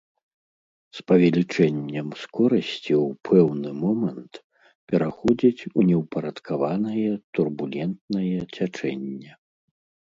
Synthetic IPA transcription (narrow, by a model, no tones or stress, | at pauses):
spɐvʲɛlʲit͡ʂɛnʲːɛmskɔɾɐsʲt͡sʲiwpʰɛwnɨmɔmɐnt̪ | pʲɛɾaxɔd͡zʲit͡sʲunʲɛwpɐɾɐt̪kʰavanɐjɛt̪urbulʲɛnt̪̚nɐjɛt͡sʲat͡ʂɛ̰nʲːɐ